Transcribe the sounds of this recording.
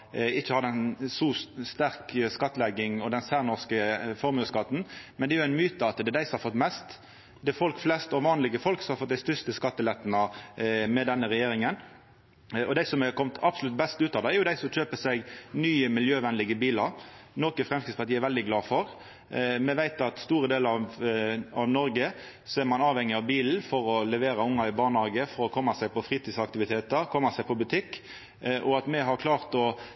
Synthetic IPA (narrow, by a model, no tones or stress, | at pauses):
ɪçːəhɑd̪ɛnsɔst̪æɾkskɑt̪ːlɛɡɪŋɔd̪ɛnsæʁnɔʁskəfɔɾmʉːskɑt̪ːn̩mɛnd̪ɛjʊæɪnmyːt̪əɑt̪d̪ɛd̪æɪsɔmhɑɾfɔt̪ːmɛst̪ | d̪ɛfɔlkflɛst̪ɔʋɑːnlɪɡəfɔlksɔmhɑɾfɔt̪̚d̪æɪst̪ʏst̪əskɑt̪ːəlɛt̪ːnɑmɛd̪ɛnːəɾɛjeːɾɪŋən | ɔd̪æɪsɔmɛkʰɔmt̪ʰɑpsʊlʉt̪̚bɛst̪ʉːt̪ɑːd̪ɛɛɾjʊd̪æɪsɔmc͡çøːpəsɛɡnyːəmɪljøːʋɛnlɪɡəbiːlɑɾnɔkəfɾɛmst̪ɪspɑt̪iːɛɾʋɛld̪ɪɡlɑːfɔɾ | mɛʋæɪt̪ɑt̪st̪uːɾəd̪eːləɾɑʋ | ɑʋnɔɾɡə | sɔɛɾmɑnɑːʋhɛŋːɪɑʋbiːln̩fɔɾɔlɛʋeːɾɑʊŋːɑɪbɑːʁnɑːɡəfɔɾɔkʰɔmːɑsæɪpɔfɾiːt̪iːsɑk̚t̪ɪʋɪt̪ʰeːt̪əɾkʰɔmːɑsæɪpʰɔbʉt̪ʰɪkː | ʔɔɑt̪mɛɦɑɾkʰlɑːʁt̪ɔ